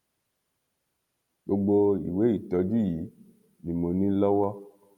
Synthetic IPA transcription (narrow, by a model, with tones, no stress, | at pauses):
ɡ͡bo˧ɡ͡bo˧ḭ˨we˨˦i˦˨tɔ˨˧d͡ʒi˦˨ji˨˦ | nĩ˨mo˨nĩ˦lɔ˦wɔ˦